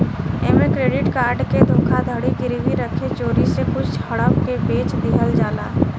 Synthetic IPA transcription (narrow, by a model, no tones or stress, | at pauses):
eːmekɾeːɖɪʈkaːɾɖked̪ʱʊ̃ːkʰad̪ʱəɽiɡɪɾiʋiɾəkʰet͡ʃoːɾisekʊt͡ʃʰhɐɽəpkebeːt͡ʃd̪ɪɦəld͡ʒaːla̰ː